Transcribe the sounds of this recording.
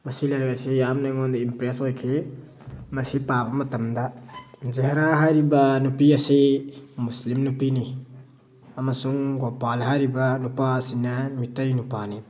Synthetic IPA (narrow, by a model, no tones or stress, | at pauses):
mɐsilajɾaasijamnaŋondimpɾesojkʰe | mɐsipabɐmɐtɐmdazeɦɾaɦajɾibɐnupiɐsimuslimnupini | ɐmɐsuŋɡopalɦajɾibɐnupasinːɐmitajnupani